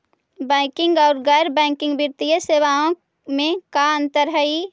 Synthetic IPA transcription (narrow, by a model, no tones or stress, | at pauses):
bɛ̃ːkɪ̃ŋɡɔːɾɡɛɾbɛ̃ːŋkɪ̃ŋɡbɪɾt̪ijəseːʋaõ | mẽkaə̃nt̪əɾɦəi